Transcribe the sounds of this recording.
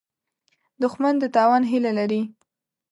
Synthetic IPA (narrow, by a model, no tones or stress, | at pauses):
d̪ʊxmand̪ət̪ɑwɑnɦilalaɾi